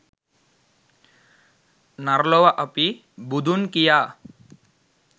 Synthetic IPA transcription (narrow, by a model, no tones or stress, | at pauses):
naɾlɔwaʔəpi | bud̪ʱunkija